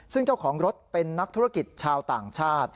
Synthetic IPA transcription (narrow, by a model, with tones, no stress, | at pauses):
sɯ˥˩ŋt͡ɕa˥˩wkʰɔː˩˦ŋɾo˦˥t̪̚pe˧nːa˦˥k̚t̪ʰuː˦˥ɾa˥˩ki˨˩t̪̚t͡ɕʰaː˧wt̪aː˨˩ŋt͡ɕʰaː˥˩t̪̚